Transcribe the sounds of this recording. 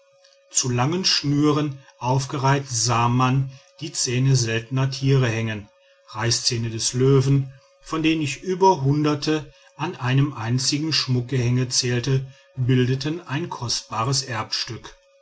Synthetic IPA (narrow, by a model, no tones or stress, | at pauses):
t͡sulaŋənʃnyːʁənʔaʊfɡ̥əʁaɪktz̥aːmand̥iːt͡sɛːnəzɛltən̩ɐtʰiːʁəhɛŋən | ʁaɪst͡sɛːnədɛsløːvn̩ | fɔndeːənɪçʔyːbɐɦʊndɐtʰə | ʔanʔaɪnəmʔaɪnt͡sɪɡŋ̩ʃmʊk̚ɡ̥əhɛŋət͡sɛːltə | bɪldətənaɪnkʰɔst̚b̥aːʁəsʔɛɐpʃtʏk